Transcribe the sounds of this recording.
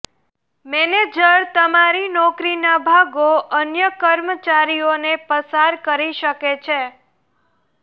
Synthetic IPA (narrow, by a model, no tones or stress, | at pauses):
mɛned͡ʒəɾt̪əmaɾinɔkɾinabʱaɡoʔənjəkəɾmət͡ʃaɾionepəsaɾkəɾiʃəket͡ʃʰe